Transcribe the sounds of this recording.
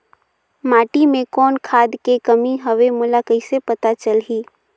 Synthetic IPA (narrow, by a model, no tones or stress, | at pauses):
maːʈimẽkɔːnkʰaːd̪kekəmiɦəʋemʊlakəisepɐt̪at͡ʃəlɦiː